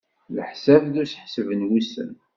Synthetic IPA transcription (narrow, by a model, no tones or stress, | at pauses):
ləħsævðusħsvənwisə̰n